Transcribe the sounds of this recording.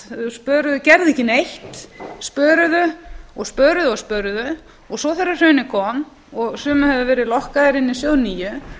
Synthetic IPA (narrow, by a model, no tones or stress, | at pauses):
spœːɾʏðʏcɛɾðɛhcːɪnejht̪spœːɾʏðʏɔɣspœːɾʏðʏɔspœɾðʏ | ɔɣsɔθɛrːḁr̥œɥnːɪkʰɔm | ɔɣsʏːmʏhɛvðʏvɛːɾɪðlɔhkaðɪɾɪnːɪsjoːwniːjʏ